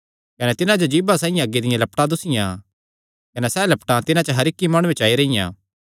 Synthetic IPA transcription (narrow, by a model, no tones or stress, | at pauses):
kɐnɛt̪ɪnãd͡ʒod͡ʒiːbasãːɪ̃jãɐɡːed̪ɪjãlɐpʈãd̪ʊsɪjã̰ | kɐnɛsɛlɐpʈãt̪ɪnãt͡ʃəɦɐɾɪkːimaːɽũẽt͡ʃaːiɾɐɪjã̰ː